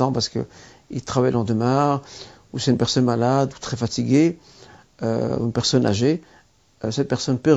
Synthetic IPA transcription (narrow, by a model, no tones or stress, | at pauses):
ɑ̃paʁsə̥kə̰ | ḭlt̪χavajlɑ̃d̪əmɛ̃ | usɛt̪ynpɛʁsɔnmalad̪ut̪χɛfat̪iɡʲe | ø̰ynpɛʁsɔna̰ʒe | øsɛt̪̚pɛʁsɔnpø